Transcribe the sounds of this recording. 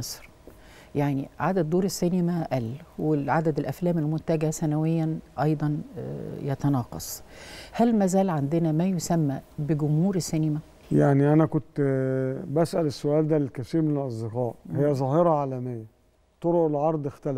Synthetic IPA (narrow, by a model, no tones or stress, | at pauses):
ɑsˤɾ | jaʕniʕad̪æd̪̚d̪ːoːɾesːinemæʔælːweʕad̪æd̪elʔæflæːmelmʊnt̪æɡæsænæwejːænʔɑjd̪ˤɑnjɑt̪ɑnɑːqɑ̰sˤhælmæzæːlʕand̪enæmæjosæmːæbeɡʊmhuːɾesːenemæ | jaʕniʔænækont̪ | bæsʔælesːoʔæːld̪ælelkæsiːmelʔɑzˤd̪eqæːʔhejːæzˤɑːheɾˤɑʕaːlæmejːæ | t̪ˤoɾoʔelʕɑɾˤd̪ˤext̪æl